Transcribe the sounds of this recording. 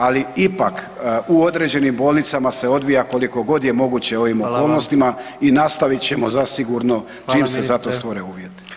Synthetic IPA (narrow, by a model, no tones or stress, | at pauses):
aliipak | uo̞d̪ɾe̞ːd͡ʑe̞nimbo̞ːlˠnit̪samase̞o̞d̪ʋijako̞likoɡo̞d̪je̞mo̞ɡut͡ɕe̞o̞ʋimo̞ko̞ːlˠno̞st̪ima | inast̪aʋit̪t͡ɕe̞mo̞zasiɡuɾno̞ | t͡ʃiːmse̞szat̪o̞st̪ʋo̞ɾeuːʋje̞t̪